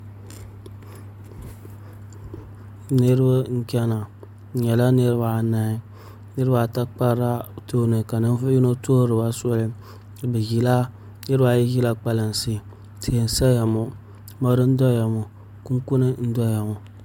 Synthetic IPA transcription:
ne˦ɾbɨ˦ŋ̩˦kʲɛ˦na˨ | ɲɛ˨la˦ne˦ɾba˨na˨i˦ | nɨ˦ɾɨ˦ba˨ta˦k͡pa˦ɾa˦to˦nɨ˨ka˨nɨ˦n˦fo˦i˦no˦to˦ɾɨ˨ba˦sɔ˦li˦ | bɨ˨ɡi˨la˦ | nɨ˦ɾɨ˦ba˨ji˦ji˦la˦k͡pa˨la˨n˨si˦ | ti˨e˨n̩˨sa˦ja˨mo˨ | ma˦ɾɨ˦n̩˦dɔ˦ja˨mo˨ | ku˦ŋ˦ku˦nɨ˦n̩˦dɔ˦ja˨mo˨

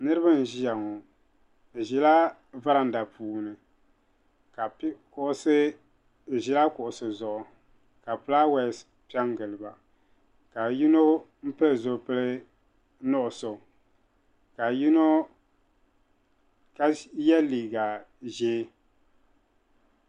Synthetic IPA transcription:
nɨ˦ɾɨ˦bɨ˦n̩˨ʒi˦ja˨ŋo˨ | ʒi˨la˦ | va˦ɾa˨n̩˨˦da˨puː˨nɨ˨ | ka˨˦kʊ˨ʔʊ˦sɨ˦˨ | ʒi˨la˦kʊ˨ʔʊ˨sɨ˨zʊ˨ʔʊ˨ | ka˨pɨ˨la˦wɛ˨˦s | pi˦a˦ŋ˦ɡɨ˨lɨ˨ba˨ | ka˨ji˦no˦ | m̩˦pɨ˦lɨ˨zo˨pɨ˦lɨ˦ | nʊ˦ʔʊ˨so˨ | ka˨ji˦no˦ | ka˨jɛ˦liː˨ɡa˨ʒeː˦

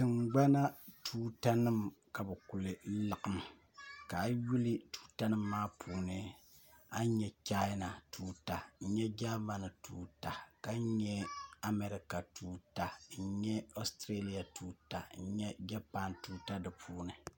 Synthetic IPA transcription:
tɨ˨ŋɡ͡ba˦na˦tʰuː˦ta˦nɨ˦mka˨bɛ˨ku˨lɨ˨˦lɨ˨ʔɨ˨m | ka˨˦ju˦li˦tu̥ː˦ta˦nɨ˦mː˦aː˦pʰuː˨nɨ˦ | a˦ɲɛ˦t͡ʃa˦jna˨tʰuː˦ta˨ɲ̩˦ɲɛ˦d͡ʒa˦ma˦nɨ˨tuː˦ta˨ka˦ɲɛ˦a˦me˦ɾi˦ka˨tʰuː˦ta˨n̩˦ɲɛ˦o˦stɾe˦li˦ja˨tʰuː˦ta˨n̩˦ɲɛ˦d͡ʒa˦pa˦ntuː˦ta˦dɨ˨pʰuː˦nɨ˨

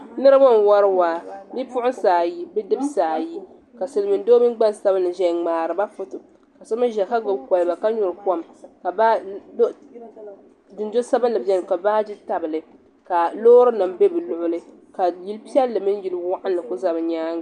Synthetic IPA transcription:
nɨ˦ɾɨ˦ba˦n˨wa˦ɾwaː˨bi˦pʊ˦ʔʊ˦saː˨ji˦bɛ˦dɨ˦bsaː˨ji˦ | ka˨sɨ˨lɨ˨mɨ˨n˦doː˦mɨ˦ɡ͡ba˦nsa˦bɨ˦nːɨ˨ʒɛ˨ŋ͡maː˨ɾɨ˨ba˦fʊ˦tʊ˨ | ka˨so˦mɨ˦ʒɛ˨ka˦ɡʊ˨bka˨lba˨ka˦ɲʊ˨ɾɨ˨ka˦˨mka˨ba˦do˦ | dɨ˨nd͡ʒo˦sa˦bɨ˦nlɨ˨bjɛ˦n˨ka˨baː˦d͡ʒi˦ta˨bɨ˨lɨ˨ | ka˨loː˦ɾɨ˦na˨mbe˦bɨ˨lʊ˨ʔʊ˦lɨ˦ | ka˨ji˦lpi˦ɛ˦lːɨ˨mɨ˦n˦ji˨lwa˦ʔa˦nlɨ˨kʊ˦za˨bɨ˨ɲaː˦ŋ˨

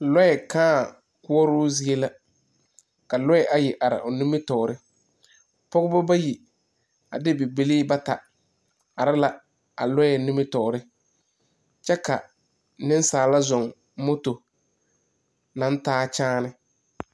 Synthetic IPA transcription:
lɔ˦ɛ˨kãː˦˨ | kʊ˦ɔ˦ɾʊː˦zi˦e˦la˦ | ka˨lɔ˦ɛ˨ʔa˨jɪ˨ʔa˨ɾɪ̰˨ʔʊ˨nʊ̃˦mɪ˦tɔː˨ʊ˨ɾɪ˦ | pɔ˦ɣʊ˦ba˦ba˦ji˨ | a̰˨dɪ˦bɪ˨bɪ˨li˦ba˦ta˨ | a˨ɾɪ˦la˦ | a̰˨lɔ˦ɛ˨nʊ̃˦mɪ˦tɔː˨ɾɪ˦ | t͡ʃɛ˦ka˨ | nɪ̃˦n˦saː˨la˦zɔ˨ŋ | mo˦to˨ | nã˨n˦taː˦t͡ʃaː˦nɪ˦

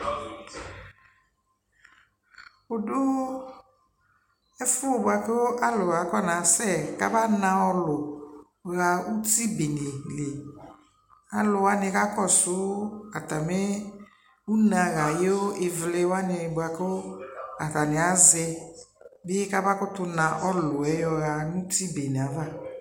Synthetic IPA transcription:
ʊ˨dʊ˦ | ɛ˦fʊ˦o˨bʊ˨a˨kɪ˦wo˦ʔa˦lʊ˨ɣa˨˦kɔ˦˨nã˨sɛ˦˨ka˦ba˦nã˦ɔ˦lʊ˨ | ɣa˨u˦ti˦be˨ni˨le˨ | a˨lʊ˨wa˦nɪ˧ka˦kɔ˦˨sʊ˨˦ka˨ta˨me˦ | u˦nã˨ɣa˨je˦o˦ɪ˨vlɪ˦wa˦nɪ˧˨bʊ˨a˨kɪ˦o˦a˨ta˨nɪ˨a˨˦zɛ˧ | bɪ˦ka˦ba˦kʊ˦tʊ˧nã˨ʔɔ˦lʊ˨ɛ˨˦jɔ˧ɣa˨nũ˦ti˦be˨ne˨a˨va˦˨

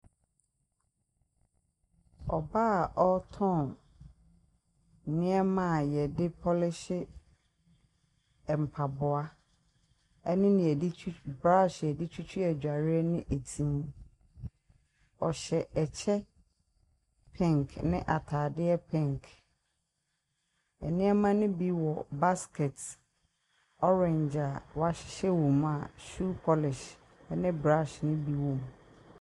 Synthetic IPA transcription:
ɔ˨baː˦˨ʔɔ˦tʰɔ̃˦˨n˨ | nɪ̃˦ɛ˦mã˦˨jɛ˨dɪ˦pʰɔ˦lɪ˦ɕɪ˦ | ɛ˨m̩˨pʰa˨bʊ˨a˦ | ɛ˦nɪ̃˦nɪ̃˨ɛ˨di˦bɾa˦˨ɕɛ˨ɛ˨dɪ˦t͡ɕʰᶣu˦t͡ɕʰᶣu˦ɛ˨d͡ʑᶣa˨ɾɪ˦ɛ˦nɪ̃˦ʔe˨tʰĩ˨mũ˦ | ɔ˨ɕɛ˨t͡ɕʰɛ˦ | pʰɛ̃˦˨ŋkʰnɪ̃˦ʔa˨tʰaː˨dɪ˦ɛ˦pʰɛ̃˦ŋk | ɛ̰˨nɪ̃˦ɛ˦mã˦nɪ̃˦bi˦wɔ˨ba˦skʰɛ˨t | ɔ˦ɹɛ̃˨ɲd͡ʑa˨wa˦ɕɪ̥˨ɕɛ˦wõ˨m˦a˨ʃu˦kʰɔ˦lɪ˨ʃ | ɛ˦nɪ̃˦bɾa˦ʃnɪ̃˦bi˦wɔ̃˨m˨

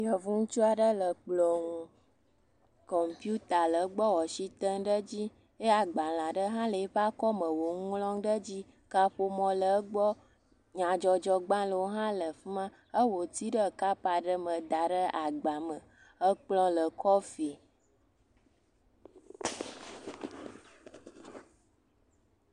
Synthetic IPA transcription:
jɔ˨vũ˦ŋ̩˦t͡ʃu˦a˨ɖə˦lə˨k͡plɔ̃˨ŋũ˨ | kɔ˨m˨pju˦t̪a˨lə˨˦ɡ͡bɔ˦wɔ˨ʃi˦t̪ə˦ŋɖə˦d͡ʑi˦ | e˦a˨ɡ͡ba˨l̃ã˨ɖə˦ɦã˦lə˨e˦ɸa˦kɔ˦mə̃˨wo˨ŋ˦lɔ̃˦ŋɖə˦d͡ʑi˦ | ka˦ɸo˦mɔ̃˨lə˨ə˦ɡ͡bɔ˦ | ɲã˨d͡ʒɔ˨d͡ʒɔ˦ɡ͡bã˦lə˨wo˦ɦã˦lə˨fmã˦ | ə˦wo˨t̪i˦ɖə˦ka˦pa˨ɖə˦mə̃˨d̪a˨ɖə˦a˨ɡ͡ba˨mə˨ | ə˦k͡plɔ̃˦lə˨kɔ˦fi˨

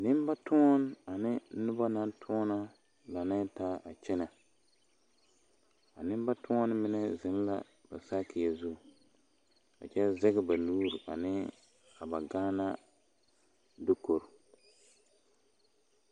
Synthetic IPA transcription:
nɪ˦m˦ba˦tʊ˦ɔ˦n˦a˨nɪ˦nʊ˦ba˦na˦n˦tʰʊ˦ɔ˦na˦ | la˨nɪ˦taː˦ʔa˨t͡ʃɛ˦na˨ | a˨nɪ˦m˦ba˦tʊ˦ɔ˦n˦mɪ˦nɛ˦zɪ˨n˦la̰˦ | ba˨sa˦kɪ˨jɛ˨zʊ˦˨ | a̰˨t͡ʃɛ˦zɛ˦ɡɛ˦ba˨luː˦ɾi˨ʔa̰˨nɪ˦ | a˨ba˨ɡaː˦na˦ | dʊ˦ko˨ɾ

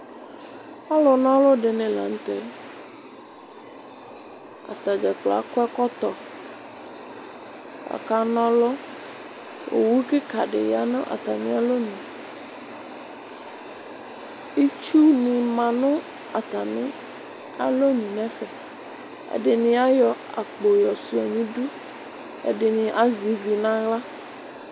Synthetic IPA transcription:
pa˦lo˨nɔ̃˦lo˦ɖe˨nẽ˨la̰˨ŋ̩˦t̪e˦ | a̰˨t̪a˨d͡ʒɛ˨k͡pla̰˨kɛ˦kɔ˦t̪ɔ˨ | ka̰˨ka˦nɔ̃˦lɔ˦ | wʔo̰˨wu˦ke˦ka˨ɖɪ̰˨ja˨nʊ̰̃˦ʔa̰˨t̪a˨mĩ˦a˦lo˦ɲĩ˨ | i˦t͡ʃu˦nĩ˨mã˨nʊ̃˦ | a˨t̪a˨mɪ̃˦ | a̰˨lo˦ɲĩ˨nɛ̃˦fɛ˨ | ḛ˦ɖɪ˨nɪ̃˨a˦jɔ˨a̰˨k͡po˨jɔ˨su˦a˨ɲĩ˦ɖu˦ | ḛ˦ɖɪ˨nɪ̃˨ʔa˦zi˨vi˨nã˦ɣla˦

